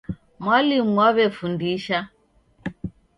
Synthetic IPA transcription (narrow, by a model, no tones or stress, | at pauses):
mwalimuwaβɛfundiʃa